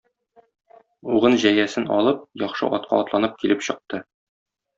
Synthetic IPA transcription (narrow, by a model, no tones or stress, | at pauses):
uʁɤnʑæjæsɘnɒ̰lˠɤp̚jɒχʃɤ̰ʔɒt̪̚qʰɑ̰ɒt̪lˠɑnɤp̚kilɘpɕɤ̆q̚t̪ɤ